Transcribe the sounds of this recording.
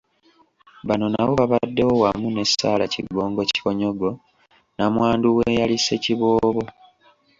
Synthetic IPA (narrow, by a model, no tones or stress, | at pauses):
βano̞naβoβaβadːe̞wowamune̞sa̰ːlaciɡo̞ːŋɡo̞ci̥koɲo̞ɡo̞ | namwaːnduwejalise̞ciβo̞ːβo̞